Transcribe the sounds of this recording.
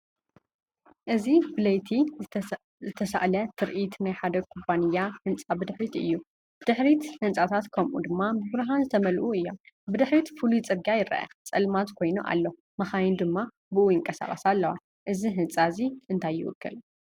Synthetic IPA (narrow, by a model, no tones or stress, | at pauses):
ʔɨzibɨlɐjt̪ʰi | zɨt̪ʰɐsa̰ʔlɐt̪ʰɨɾʔit̪najħad̪ɐkʰuβanɨjːahɨnt͡sʼabɨd̪ɨħɾit̪ɨ̰jːu | bd̪̥ɨħɾit̪hɨnt͡sʼat̪ʰat̪kʰɐmʔṵd̪ɨmːabɨβɾɨɦanzɨt̪ʰɐmɐlʔuɨjːo̞m | bɨd̪ɨħɾit̪fɨlut͡sʼɨɡajɪɾɐ̰ʔɐ̰t͡sʼɐlmat̪kʰo̞jnuʔa̰lːo | mɐxajind̪ɨmːa | bɨʔujɪŋkʼɐsa̰χʼɐsalːɐwa | ʔɨziɦɨnt͡sʼaziʔɨnt̪ʰajːɪ̰wʊ̰kːɨ̰l